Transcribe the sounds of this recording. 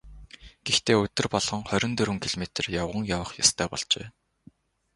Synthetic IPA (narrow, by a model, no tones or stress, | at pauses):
ɡ̥ext̪ʰeːɵt̪ɵ̆rpɔɮʁɞ̆ŋχœɾʲɪ̆nt̪ɵɾwɘ̆ŋkʰiɮmet̪̆rjawʁə̆ŋjawə̆χjast̪ʰœːpɔɮt͡ɕḛː